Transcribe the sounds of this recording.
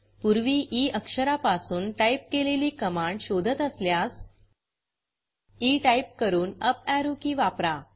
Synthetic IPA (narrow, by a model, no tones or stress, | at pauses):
puɾʋiːʔiəkʂəɾapasuːnʈajp̚keleliːkəmaɳɖɕod̪ʱət̪əsljas | iʈaip̚kəɾuːnəpæɾukiʋapɾa